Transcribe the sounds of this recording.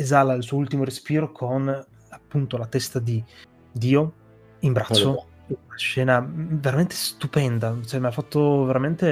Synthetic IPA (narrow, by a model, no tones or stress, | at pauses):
ezalailsuːoult̪imoɾespiːɾokʰon | apːunt̪olat̪ɛst̪ad̪i | d̪iːo | imbɾat͡ʃːo | inaʃɛːnaveɾament̪ʰe̥st̪upɛnd̪at͡ʃoɛmeafːat̪ːoveɾament̪e